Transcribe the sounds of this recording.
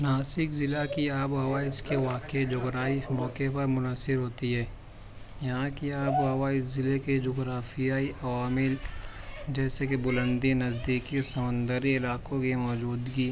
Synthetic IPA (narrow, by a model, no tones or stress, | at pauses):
naːsɪkzɪlakiaːboɦɐʋaɪskeʋaːked͡ʒʊɡɾaːimɔːkepɐɾmʊnəsːɪɾɦoːt̪iɦɛː | jɐɦãkiaːboɦɐʋaɪszɪleked͡ʒʊːɡɾaːfijaiʔɐʋaːmɪl | d͡ʒɛːsekebʊlə̃nd̪inɐzd̪iːkisɐmə̃nd̪əɾiɪlaːkõkemɔːd͡ʒuːd̪ɡiː